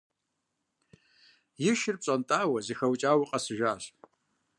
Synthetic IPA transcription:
jɪʃɪrp̚ɕʼantʼaːwazixawt͡ʃʼawiqʼasɨʒʷᶣaːɕʷ

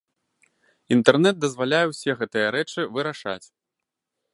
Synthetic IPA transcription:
int̪ɛrnɛd̪̚d̪ɐzvalʲajɛwsʲɛɣɛt̪ɨjɐɾɛt͡ʂɨvɨɾaʂa̰t͡sʲ

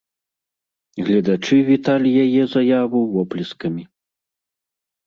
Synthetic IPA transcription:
ɣlʲɐd̪at͡ʂɨvʲit̪alʲijajɛzajavuwvɔplʲiskɐmʲi

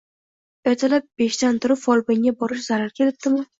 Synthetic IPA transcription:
bat̪ʰalap̚b̥eʃt̪ant̪ʰʊɾɪpfɒlˠbɪŋɡʲabɒɾɪʃ̬z̥aɾaɾkʲe̞lɪp̚t̪ɪmɪ

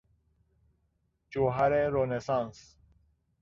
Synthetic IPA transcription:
t͡ɕuɦaɾeɾonesãns

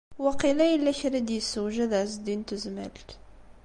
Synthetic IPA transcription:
waqilæjəlːæçɾad̪jəsːəwʒəðʕs̬d̪int̪əzmæ̰lt̪

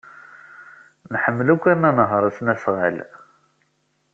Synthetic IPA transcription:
nħəmːlækʷːænːænəɦəɾˤæsnæsʁə̰l

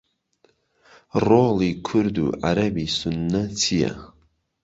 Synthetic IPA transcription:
roːliːkʰʊɾd̪ṵːʕa̰ɾɐbiːsʊnːɐt̪ʰijɐ̰

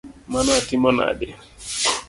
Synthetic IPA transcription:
manɔatimɔna̰dɛ

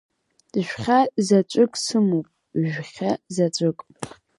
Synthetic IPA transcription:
d̥ʼʃᶣʷχʲazat͡ʃʷʼʊkʼsɨmopʼ | ʒᶣχʲazat͡ʃʷʼɨkʼ

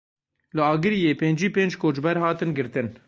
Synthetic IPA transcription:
lɨɑːɡɨɾijeːpeːnd͡ʒiːpeːnd͡ʒkoːd͡ʒbɛɾhɑːt̪ɨnɡɨɾt̪ɨn

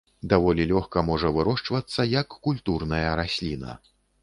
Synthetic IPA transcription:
d̪avɔlʲilʲɔxkɐmɔʐɐvɨɾɔʂt͡ʂvɐt̪sːɐjɐkːulʲt̪urnɐjɐɾasʲlʲinɐ̰

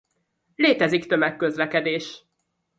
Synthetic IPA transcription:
leːt̪ɛzikt̪ømɛkːø̞zlɛkɛd̪eːʃ

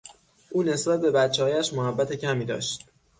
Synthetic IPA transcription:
ʔuːne̞sbæt̪̚be̞bæt̪t͡ʃʰehɒːjæʃmohæbːæt̪ʰe̞cʰæmiːd̪ɒ̰ːʃt̪

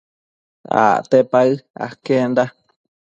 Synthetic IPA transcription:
a̰t̪epaɨa̰kend̪a

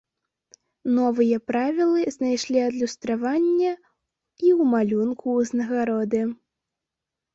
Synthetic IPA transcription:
nɔvɨjɐpɾavʲilˠɨznajʂlʲiɐd̪lʲust̪ɾavanʲːɐ | iwmalʲunkʰuznɐɣaɾɔd̪ɨ

